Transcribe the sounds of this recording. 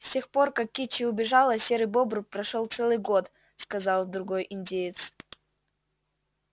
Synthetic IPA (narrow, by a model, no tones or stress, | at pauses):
sʲtʲe̞xpo̞rkakʲːit͡ɕɪʊbʲɪʐɑlˠəsʲeɾɨbobɾʊpɾɐʂolˠt̪sɛlˠɨjɡo̞t̪ | skɐzɑlˠd̪ɾʊɡo̞jʔɪnʲdʲejɪt̪s